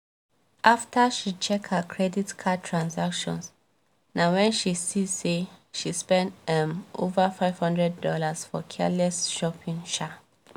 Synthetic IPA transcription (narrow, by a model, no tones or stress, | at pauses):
ʔaftaʃit͡ʃɛkhəkʰɹɛditkʰatʰɹãnsakʃɔ̰̃ns | nawɛ̃nʃisiseʃispɛ̃ndɛ̃mʔo̰vafaɪv̥hɔ̃ndɹɛdːɔlasfɔ̰kʰɛ̰lɛsʃɔpʰĩŋʃa